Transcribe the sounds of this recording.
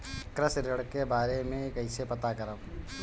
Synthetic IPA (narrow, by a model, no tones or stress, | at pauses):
kɾəsɾəɽkebaːɾemẽekəɪsepɐt̪akɐɾəʋ